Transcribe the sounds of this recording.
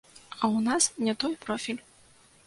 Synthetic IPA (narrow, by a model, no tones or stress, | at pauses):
ɐwnasnʲɛt̪ɔjpɾɔfʲilʲ